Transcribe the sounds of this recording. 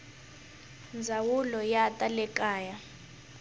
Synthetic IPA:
nd͡zʱawulɔjatʼalɛkʼaːja

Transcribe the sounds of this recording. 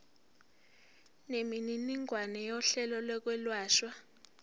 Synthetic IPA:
nemininiŋwanɛjɔɬɛlɔlwɛk̬wɛlwaːʃwa

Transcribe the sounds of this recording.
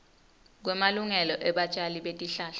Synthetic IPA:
k̬wɛmaluŋɛlɔʔɛɓat͡ʃʼaliɓetʼiɬaːɬa

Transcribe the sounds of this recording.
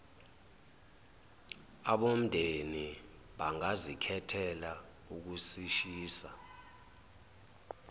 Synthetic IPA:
aɓom̩dʱeni | ɓaŋazikʰɛtʰɛla | uk̬usiʃiːsa

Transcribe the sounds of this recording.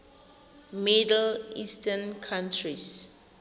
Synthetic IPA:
midlistənkʰãntʰɹis

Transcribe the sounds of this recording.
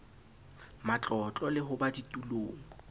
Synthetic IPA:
mat͡ɬʼɔt͡ɬʼɔlɪɦʊbaditʼuloːŋ̩

